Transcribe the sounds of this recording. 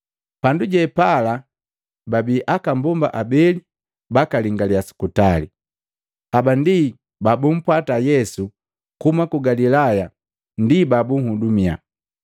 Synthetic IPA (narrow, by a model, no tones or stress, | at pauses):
panduɟɛpala | babiːʔakambɔmba̰ʔabɛli | bakaliŋɡaliasu̥kutali | abandi | babum̩pwatajɛsu | kumakuɡalilaja | ndibabuŋ̩hudumia̰